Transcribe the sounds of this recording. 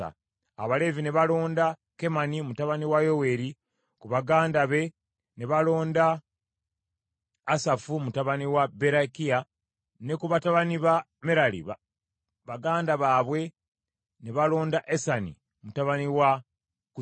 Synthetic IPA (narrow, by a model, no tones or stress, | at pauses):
a̰ | aβale̞vine̞βalo̞ːnda | ke̞manimutaβaniwajo̞we̞ɾi | kuβaɡaːndaβe̞ | ne̞βalo̞ːnda | safumutaβaniwabe̞ɾakia | ne̞kuβataβaniβa | me̞ɾalḭ | βaɡaːndaβaːβwe̞ | ne̞βalo̞ːndaʔesanḭ | mutaβaniwa | ku